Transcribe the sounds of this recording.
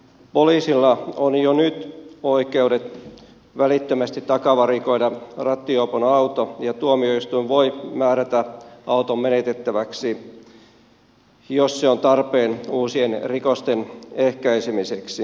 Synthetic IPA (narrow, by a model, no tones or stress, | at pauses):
poliːsilːɑonjonyt̪oikeudet̪ | ʋælit̪ːømæst̪it̪ːɑkɑʋɑrikoidɑrɑt̪ːioponɑut̪ojɑt̪uomioist̪uiʋʋoimæːɾæt̪æɑut̪ommenet̪et̪ːæʋæksi | josːeont̪ɑrpeːnuːsienrikost̪enehkæisemiseksi